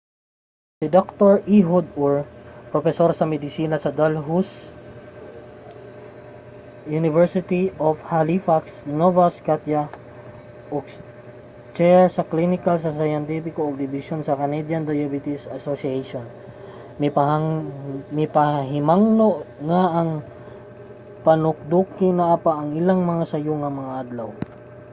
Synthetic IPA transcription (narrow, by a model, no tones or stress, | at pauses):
sɪd̪ok̚t̪oɹʔiɦod̪ɔɹpɾofɛsoɾsɐmɛd̪ɪsiːnɐsɐd̪alɦus | junɪvɛɹsɪt̪iʔofhalifaksnovaskat̪ja | ʔoks | t͡ʃɛɹsɐklinɪkals̬ɐsajɐnt̪ipɪkoːɡ̚d̪ɪbɪsonsɐkɐnɛd̪jɐnd̪ɐjabɪt̪ɪsɐsosiejʃon | m | mɪpɐɦɪmaŋnoʔŋaʔɐŋ | pɐnʊk̚d̪ukɪnɐʔapaʔɐŋɪlaŋmɐŋasɐjoŋɐmɐŋaʔɐd̪law